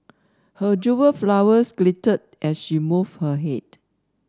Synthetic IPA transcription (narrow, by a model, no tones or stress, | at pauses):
həd͡ʒuwəflawəsɡlitət̚ʔɛsʃimuvhəɦɛd